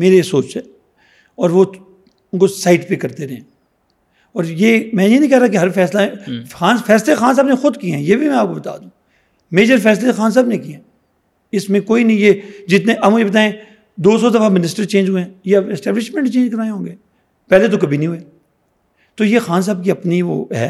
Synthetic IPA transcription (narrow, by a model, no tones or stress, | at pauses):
meːɾesoːt͡ʃɦɛː | ɔːɾʋo | ʊnkosaːɪʈpekɐɾt̪eɾɐɦẽ | ɔːɾjeːmɛ̃jenɐ̃ĩkɛɦɾaːkeɦɐɾfɛːslãxaːnfɛːslexaːns̬aːbnexʊd̪kiɦɛ̃jeːbʱimɛ̃aːp̚kobɐt̪a̰ːd̪ũː | meːd͡ʒəɾfɛːs̬lexaːns̬aːbnẽkiɦɛ̃ː | ɪsmẽkoːinɐɦĩjed͡ʒɪt̪nẽʔɐbmʊd͡ʒʱebɐt̪̬aːẽ | d̪oːsɔd̪ɐfamɪnɪsʈəɾt͡ʃẽːnd͡ʒɦʊẽːjeɐbɛsʈɛːblɪʃmɛ̃ɳʈt͡ʃẽːɲd͡ʒkɐɾaːẽɦõːɡeː | pɛːlet̪okɐbʱinəɦĩɦueː | t̪ojexaːns̬aːb̚kiɐpniʋo̰ːɦɛ̰ː